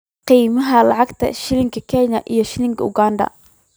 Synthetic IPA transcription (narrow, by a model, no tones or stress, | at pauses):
qiːmɐɦɐlɑʕɑɡt̪ʰɐ̰ʃɪlɪŋkʰɐkʰɛːnɐʔijɞʃɪlɪŋkʰɐʊɡaːnd̪ɐ̰